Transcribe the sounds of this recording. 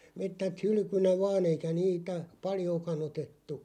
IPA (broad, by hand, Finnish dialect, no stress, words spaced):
metːæt hyly̆kynæ ʋɑːn eikæ niːtæ pɑljoːkɑn otetːu